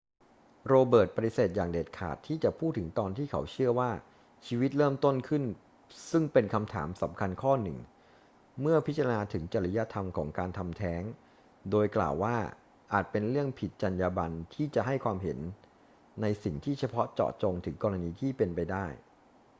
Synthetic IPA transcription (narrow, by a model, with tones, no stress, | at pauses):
ɾoː˧bɤː˨˩t̪̚ba˧t̪i˧seː˨˩t̪̚jaː˨˩ŋdeː˨˩t̪̚kʰa̰ː˨˩t̪ʰːiː˥˩t͡ɕa˨˩pʰuː˥˩t̪ʰːɯ˩˦ŋt̪ɔː˧nt̪ʰiː˥˩kʰa˩˦wt͡ɕʰɯ˥˩əwaː˥˩ | t͡ɕʰiː˧wi˦˥t̪̚ɾɤː˥˩mt̪o˥˩nkʰɯ˥˩n | sɯ˥˩ŋpe˧nkʰa˧mt̪ʰa̰ː˩˦msa˩˦mkʰa˧nkʰɔː˥˩nɯ̰˨˩ŋ | mɯ˥˩ɐpʰi˦˥t̪t͡ɕːa˧ɾa˧naː˧t̪ʰɯ˩˦ŋt͡ɕa˨˩ɾa˦ja˦˥t̪ʰa˧mkʰɔː˩˦ŋkaː˧nt̪ʰa˧mt̪ʰɛː˦˥ŋ | doː˧jkla̰ː˨˩wːaː˥˩ | ʔaː˨˩t̪̚pe˧nɾɯ˥˩əŋpʰi˨˩t̪̚t͡ɕa˧njaː˧ba˧nt̪ʰiː˥˩t͡ɕa˨˩ʔɦa˥˩jkʰwaː˧mɦe˩˦nː | a˧jsi˨˩ŋt̪ʰiː˥˩t͡ɕʰa˧pʰɔ˦˥t͡ɕɔ̰ː˨˩t͡ɕo˧ŋt̪ʰɯ˩˦ŋkɔː˧ɾa˧niː˧t̪ʰiː˥˩pe˧npa˧jdaː˥˩j